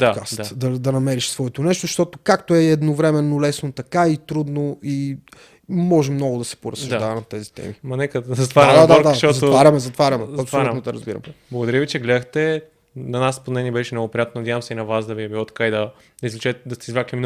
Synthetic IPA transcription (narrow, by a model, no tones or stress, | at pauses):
d̪akast̪ad̪ɐd̪ɐnɐmɛɾiʃsvɔɛt̪onɛʃt̪oʃt̪ɔt̪okakt̪oɛɛd̪novɾɛmɛnːolɛsnot̪ɐkait̪ɾud̪noi | mɔʒɛmnɔɡʊd̪ɐsɛ̥poɾɐsɐʒd̪avɐmɐt̪ɛzit̪ɛ̰mimɐnɛkəzɐt̪vaɾɐd̪ad̪aʃt̪ɔzɐt̪vaɾʲɐmɛzɐt̪vaɾɐmɛɐpsslunod̪ɐɾɐ̰zbḭɾɐ̰mblˠɐɡod̪ɐɾivit͡ʃɛɡlɛd̪əxt̪ɛ | nɐnaspod̪nɛniɛbɛʃɛnɔɡopɾijat̪nonɐd̪ʲjavɐmsɛinɐvasd̪ɐviɐbilˠɔt̪kaid̪ɐ | d̪ɐizlɛt͡ʃɛd̪ɐst̪ɛizvɾaklimin